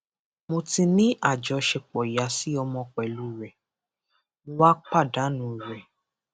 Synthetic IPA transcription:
mõ˧tĩ˧nĩ˦ʔa˦˨d͡ʒɔ˨˧ʃɛ˧k͡pɔ˨ja˨˦si˨˦ɔ˧mɔ̃˧k͡pɛ˨lu˦˨ɾɛ˨ | mõ˧wa˦k͡pa˦˨da˨˦nũ˨ɾɛ˨

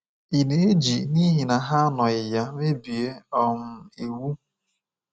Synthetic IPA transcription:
i˨ne˨e˦d͡ʒi˨ni˦ɦi˨na˨ɦa˦nɔ˨ɪ˨ja˦me˦bi˨e˦ɔ˨m̩˦i˨wu˦

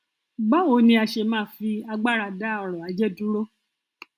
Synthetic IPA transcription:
ɡ͡ba˦o˧˦nĩ˧a˧ʃe˧mãː˦˨fi˧a˧ɡ͡ba˦˨ɾa˧da˦ɔ˧ɾɔ̃˨a˨˦d͡ʒɛ˦dũ˦ɾo˦

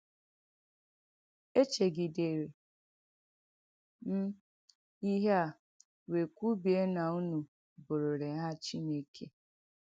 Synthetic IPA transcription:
e˦t͡ʃe˨ɡi˨de˨ɾe˨ | m̩˦ | i˦ɦe˦a˨ | we˨kʷu˦bi˨e˦na˨u˦nu˨ | bʊ˨ɾʊ˨ɾe˨˦ɦa˦t͡ʃi˦ne˦˨kʰe˦

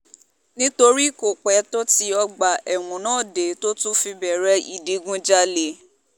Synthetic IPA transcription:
nĩ˦to˧ɾi˦˨ko˨k͡pɛ˨˦to˦ti˧˦ɔ˧ɡ͡ba˨ʔɛ˨wũ˨˦nãː˦˨de˨˦to˦tũ˦fi˧bɛ˨ɾɛ˦i˨de˨˦ɡũ˦d͡ʒa˦le˨

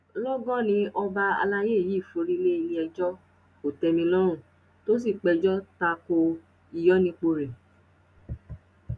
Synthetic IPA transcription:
lɔ˦ɡɔ̃˦nĩ˧ɔ˧ba˧a̰˧la˧je˦˨ji˨˦˨fo˧ɾi˦le˦i˧li˦ɛ˧d͡ʒɔ˦ | ko˨tɛ˧mĩ˧lɔ˦ɾũ˦˨ | to˦s̬i˦˨k͡pɛ˧d͡ʒɔ˦ta˧ko˧ | i˨jɔ˦nĩ˧k͡po˧ɾe˨

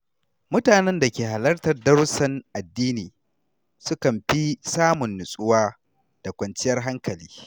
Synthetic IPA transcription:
mʊ˦taː˨nɛ˦nda˨kʲeː˨ɦa˨lɐ˦rtɐ˨rdɐ˦ɾʊ˦sɐ˦nʔa˨dːiː˦niː˨ | sʊ˦kɐ˨mɸi˦saː˦mʊ˨nːʊ˨sʼʊ˦waː˦ | d̥a˨kʷɐ˨nt͡ʃɪ˦jɐ˦rɦa˦ŋkɐ˨lḭː˦

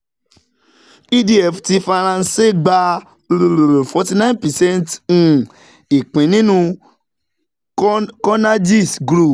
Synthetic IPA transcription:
i˦di˦ɛ˦˨fti˧fa˧ɾ̃ã˧n̩˦˧se˦˨ɡ͡ba˧ | ɾo˨ɾo˨ɾo˨fɔ˧ti˧nã˦npɛ˨sɛ̃˦nt̩˦˨ | i˨k͡pĩ˨˦nĩ˦nũ˧ | kɔ˦na˦d͡ʒi˦˨sɡɾu˦˨

